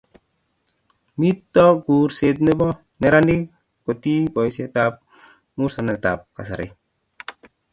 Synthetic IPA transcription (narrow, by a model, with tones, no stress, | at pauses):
mi˦tːɔ˦ɡuː˨ɾse˨t̪̬̚ne˦bɔ˦ | ne˦ɾa˦ndi˦ | ko˨t̪i˦bɔ˨jse˦t̪ap̚ | mu˦ɾsa˨ne˨t̪a̰˨p̚ka˨s̬a̰˨ɾḛ˨